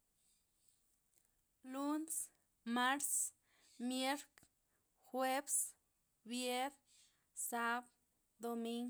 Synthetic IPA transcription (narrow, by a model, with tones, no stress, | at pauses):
lu˦ns | ma˦ɾs | mje˦ɾk | xwe˦bs | bje˦ɾ | sa˦b | d̪o˧mi˦ŋ